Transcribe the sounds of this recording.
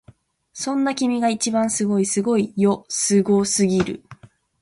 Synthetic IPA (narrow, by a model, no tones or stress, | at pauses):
sõ̞nːakʲimʲiɡait͡ɕibãɰ̃sɨɡo̞isɨɡo̞ijosɨɡo̞sɨɡʲiɾɯ̟̰